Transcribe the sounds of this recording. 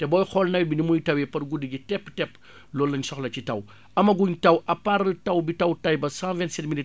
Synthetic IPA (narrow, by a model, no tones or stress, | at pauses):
tɛbɔːjxɔlnɐjbinimujtɐwɛpɐɾɡudiɡitɛpːtɛp | lɔːlːɐɲsɔxlɐt͡ʃitɐ̰w | ʔɐmɐɡuɲtɐwʔɐpaɾtɐwbitɐwtɐjbɐsãvɛntsɛtmili